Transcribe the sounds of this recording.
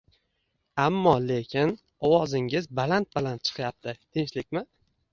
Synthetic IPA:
amːɒle̞kʲʰɪn | ɒwɒzɪŋɪzbalant̪̚balant̪̚t͡ʃʰɨ̥qjap̚t̪ʰɪt̪ʰɪŋt͡ʃlɪk̚ʲmɪ

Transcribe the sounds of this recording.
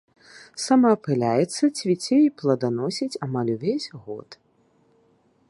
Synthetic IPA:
samapɨlʲajɛt̪sːɐt͡sʲvʲit͡sʲeiplˠɐd̪anɔsʲit͡sʲamalʲuvʲezʲɣɔ̰t̪

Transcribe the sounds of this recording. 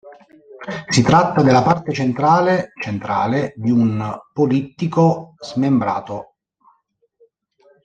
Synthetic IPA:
sit̪ɾat̪ːad̪elːapart̪et͡ʃent̪ɾaːlet͡ʃent̪ɾa̰ːled̪iunpolit̪ːikozmembɾa̰ːt̪o

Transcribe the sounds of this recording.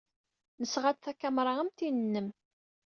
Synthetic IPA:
nəsʁad̪θækːæmɾˤɑæmt̪inənːəm

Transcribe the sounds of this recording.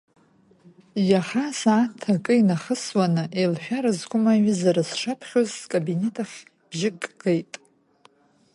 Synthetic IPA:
jaχasaːtʰːakʼɨinaχəswanɨʔelħᶣaɾɨzɡʷʼʊmaɥɨzaɾɨsʂapʰχʲozkʼabine̞tʰʼaχʲ | b̥ʒɪkʼɡejtʼ

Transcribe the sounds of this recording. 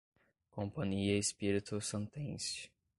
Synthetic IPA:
kõpɐ̃ɲiɐespiɾit̪ʊsɐ̃nt̪ẽsɪ̥

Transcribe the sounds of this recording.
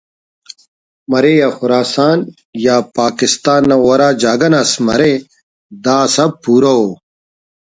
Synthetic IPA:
mɐɾejaxʊɾaːsaːn | jaːpaːkist̪aːnːɐwɐɾaːd͡ʑaːɡɐnɐsmɐ̰ɾe | d̪aːsɐb̚puːɾɐo

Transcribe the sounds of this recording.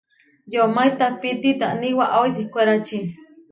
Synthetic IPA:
jomait̪apit̪it̪aʔniwaʔois̬ihkʷeɾat͡ʃi

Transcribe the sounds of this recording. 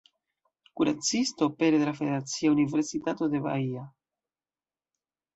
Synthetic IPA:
kuɾat͡sist̪o̞peɾeðelafeðeeɾat͡siauniveɾsit̪at̪oðeβa̰ia

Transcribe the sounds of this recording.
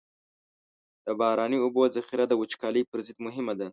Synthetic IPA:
d̪̥əbɑɾɑnəʊbozaxiɾad̪əwʊt͡ʃkɑləjpəɾzɪd̪mʊɦɪmad̪a

